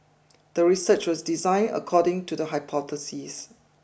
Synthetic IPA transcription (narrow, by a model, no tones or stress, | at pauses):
d̥əɹisət͡ʃwɔsdizãɪ̃nə̰kʰɔdɪ̃ŋtudəɦaɪpʰɔθəsis